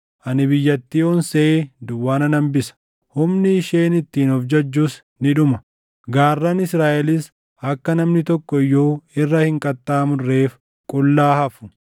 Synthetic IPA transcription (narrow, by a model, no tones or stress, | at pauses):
ʔɐnɪbɪjːɐt̪ːiːɔnseed̪ʊwːaːnɐnɐmbɪsɐ̥ | hʊmnɪːʃeːnɪt̪ːiːnɔfd͡ʒɐd͡ʒːuːs | nɪᶑʊmɐ | ɡaːrːɐnɪsɾaːʔɛlɪs | hɐkːɐnɐmnɪt̪ɔkːɔjːoːɪrːɐhɪŋkʼɐt̪ʼːaːmʊrːeːf | kʼʊlːaːhɐfʊ̥